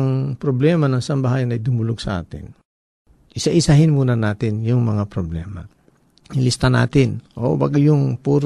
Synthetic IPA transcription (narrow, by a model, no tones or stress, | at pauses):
ŋpɾoblɛmɐnɐŋsɐmbɐɦaːjɐnɐjd̪ʊmʊloɡ̚sɐʔa̰ːt̪ɪ̰n | ʔɪsaʔɪsaɦɪnmuːnɐnaːt̪ɪnjʊŋmɐŋapɾoblɛːmɐ̰ | ɪlɪst̪ɐna̰ːt̪ɪnʔo̰baɡajʊŋpuːɾ